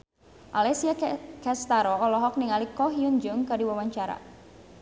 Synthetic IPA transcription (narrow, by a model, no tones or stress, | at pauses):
ʔalɛsiakɛst̪aɾɔɔlɔɦɔk̚niŋalikɔɦiund͡ʒʊŋkadiwawaɲt͡ʃaɾa̰